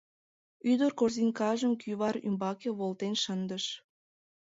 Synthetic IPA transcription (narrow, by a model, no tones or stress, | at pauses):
yd̪ərkorzinʲkɑʒəmkʰyβɑɾy̰mbɑkeβolt̪enʃənd̪əʃ